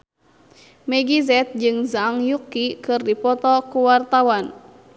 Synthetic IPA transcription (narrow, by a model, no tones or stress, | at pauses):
mɛɡizɛt̪̚d͡ʒɨŋzaŋjukːikɨrdipɔt̪ɔkuwart̪awan